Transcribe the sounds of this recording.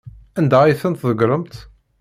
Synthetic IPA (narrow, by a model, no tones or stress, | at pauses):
ænd̪æjθənt̪ðəɡɾˤəmt̪